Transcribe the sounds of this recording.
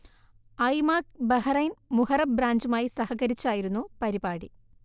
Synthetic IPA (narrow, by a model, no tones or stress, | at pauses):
ɐjmaːkbɐɦɐrɐjnmuhɐrɐbɾaːɲd͡ʑumaːjisɐhɐɣɐɾit͡ɕːaːjiɾunːupɐɾibaːɽi